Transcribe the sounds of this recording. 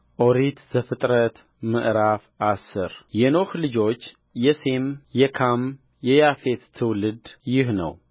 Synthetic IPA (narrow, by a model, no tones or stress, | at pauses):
ʔo̞ɾit̪zəfɨt̪ʼɾət̪ | mə̰ʔɾafʔasːɨɾjɛno̞hlɨd͡ʒo̞t͡ʃː | jɛse̞mjɛkʰam | jɛjafet̪t̪ʰːɨwlɨd̪jɪhnə̰w